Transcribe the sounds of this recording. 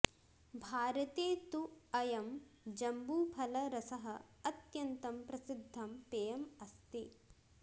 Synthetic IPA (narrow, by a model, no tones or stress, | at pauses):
bʱaːɾɐt̪eːt̪uɐjɐmd͡ʒɐmbuːpʰɐlɐɾɐsɐɦɐ̆ɐt̪jɐnt̪ɐmpɾɐsid̪ʱːɐmpeːjɐmɐst̪eː